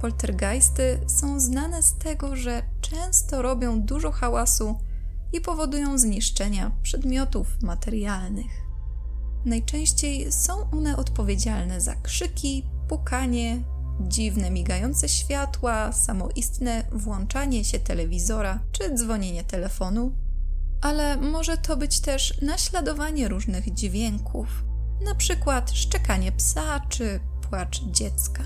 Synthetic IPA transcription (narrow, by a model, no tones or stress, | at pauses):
kɔlt̪ɛɾɡajst̪ɘsɔ̃w̃znanɛst̪ɛɡɔʐɛ | t͡ʂɛ̃w̃st̪ɔɾɔbʲjɔ̃w̃d̪uʐɔxawasu | ipɔvɔd̪ujɔ̃w̃zɲiʂt͡ʂɛɲapʂɛd̪mʲjɔt̪ufmat̪ɛɾjalnɘx | najt͡ʂɛ̃w̃ɕt͡ɕejsɔ̃w̃ʔɔnɛʔɔt̪pɔvʲjed͡ʑalnɛza̰kʂɘkʲi | pukaɲɛ | d͡ʑivnɛmʲiɡajɔnt̪sɛɕfʲjat̪wasamɔʔist̪nɛ | vwɔnt͡ʂaɲɛɕɛt̪ɛlɛvʲizɔɾa | t͡ʂɘd̪zvɔɲeɲɛt̪ɛlɛfɔnu | ʔalɛmɔʐɛt̪ʰɔbɘt͡ɕt̪ɛʂnaɕlad̪ɔvaɲɛɾuʐnɘɣd͡ʑvʲjɛŋkʰuf | napʂɘkwat̪ʂt͡ʂɛkaɲɛpsa | t͡ʂɘ | pwat͡ʂ | d͡ʑɛt̪ska